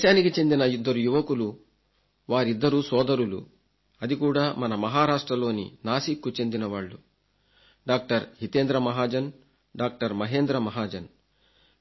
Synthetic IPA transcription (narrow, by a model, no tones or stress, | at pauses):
ɛːʃaːnikit͡ʃe̞nd̪inɐjud̪ːɐɾujuʋɐkulu | ʋaːɾid̪ːɐɾuːsɔːd̪ɐɾulṵ | ɐd̪ikuːɽaːmɐnɐmɐɦaːɾaːʂʈɾɐlo̞ːnḭnaːsikːut͡ʃe̞nd̪inɐʋaːɭːu | ɖaːk̚ʈɐɾɦit̪eːnd̪ɾɐmɐɦaːd͡ʒɐn | ɖaːk̚ʈɐɾmɐɦe̞ːnd̪ɾɐmɐɦaːd͡ʒɐn